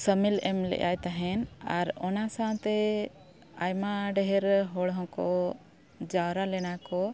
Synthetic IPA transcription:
səmilɛmlɛ̰ʔajt̪aɦɛnaɾɔnasaw̃t̪ɛ | ajmaɖɛɦɛɾɦɔɭɦɔ̃kɔ | d͡ʒawɾalɛnakɔ

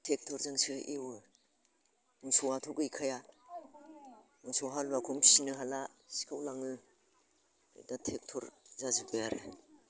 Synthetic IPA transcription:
tʰek̚tʰɔɾzaŋsɯʔiwɯ | nuŋsɔwatʰɔkɯjkʰaja | nuŋsɔɦalbakʰɔmʰi̥sinɯɦalasi̥kʰawlaŋɯ | ɯ̰datʰek̚tʰɔɾzazɯbɯjaɾḛ

